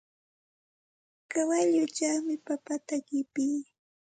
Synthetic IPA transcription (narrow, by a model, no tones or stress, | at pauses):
kawaʎʊt͡ʃaχmɪpapat̪aɢɪpiː